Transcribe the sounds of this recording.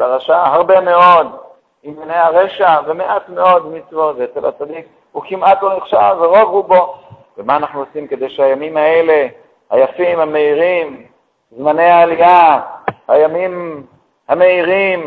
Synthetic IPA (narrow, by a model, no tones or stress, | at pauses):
baʁaʃahaʁbeme̞o̞d̪ | imjanejaʁeʃavemeʔat̪me̞o̞d̪mit͡svo̞zeet͡sela̰t͡sad̪ik | ukimat̪lo̞neχʃalveʁo̞vhubo̞ | vemaːnaχnuosimke̞d̪ejʃehajamimaele̞ | hajafimame̞iʁim | zmane̞jhaːlijaha̰jamim | hame̞iʁim